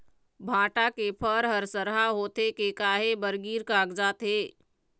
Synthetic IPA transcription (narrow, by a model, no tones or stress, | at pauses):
bʱãːʈakepʰəɾɦəɾsəɾɦaɦoːt̪ekekaːɦebəɾɡiːɾkaːɡd͡ʒaːt̪ɦeː